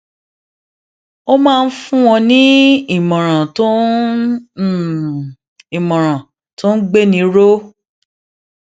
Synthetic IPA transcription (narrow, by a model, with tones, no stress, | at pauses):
o˦mãː˦˧n̩˦fũ˦w̃ɔ̃˧nĩ˦i˦˨mɔ̃˨ɾ̃ã˨tõ˦˨ | i˨mɔ̃˨ɾ̃ã˨ | tõ˦ɡ͡be˦nĩ˧˦ɾo˦